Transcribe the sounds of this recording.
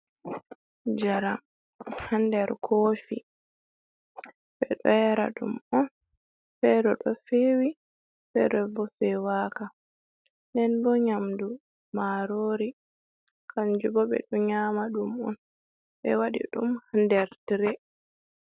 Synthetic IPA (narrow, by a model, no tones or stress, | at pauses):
d͡ʒaɾam | handɛɾkʰoːfḭ | ɓɛɗɔjɛɾa̰ɗṵmɔn | fɛdɔɗɔfewi | fɛɗɔbɔfɛwaːka | ndɛnbɔɲamdu | maɾoːɾi | kʰaɲd͡ʒubɔɓɛ̰ɗɔɲaːmaɗumɔ̰n | ɓɛwaɗḭɗumhandɛɾtiɾɛ